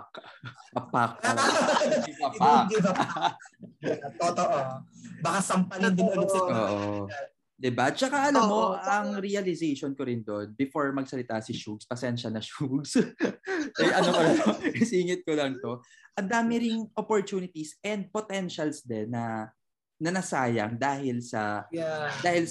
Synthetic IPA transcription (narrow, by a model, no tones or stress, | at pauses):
kpɐpak̚ɐ | ɐpa | t̪ot̪oʔobɐkasɐmpɐlnd̪ɐnooːʔo | d̪ɪbat͡ʃɐkaʔɐlamoɐŋɾiɐlɪzejʃonkoɾɪnd̪oʔnbɪfoɹmɐɡ̚sɐlɪt̪asɪʃuɡspɐsɛɛɐnʃɐnɐʃuɡs | ʔɐjʔɐnokolɐnosiːŋɪt̪̚kolɐŋt̪o̞ | ʔɐnd̪aːmɪɾɪŋʔopoɹt̪uːnɪt̪isɛnd̪̚pot̪ɛnʃɐlsd̪ɛnːɐ | nɐnɐsaːjɐ̰ŋd̪aːhɪlsɐ | d̪aːhɪl